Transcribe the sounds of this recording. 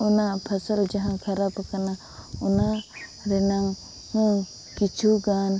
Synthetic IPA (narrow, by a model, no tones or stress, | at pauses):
ɔnapʰasald͡ʒaɦãkʰaɾapakana | ɔnaɾɛnaŋ | hɔŋ | kit͡ʃʰuɡan